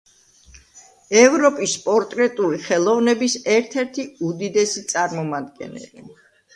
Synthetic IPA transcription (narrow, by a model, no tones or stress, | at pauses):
ɛvɾɔpʼispʼɔɾt̪ʼɾɛt̪ʼuliχɛlˠɔvnɛbisɛɾt̪ʰɛɾt̪ʰiud̪id̪ɛsit̪sʼaɾmɔmad̪ɡɛ̰nɛ̰li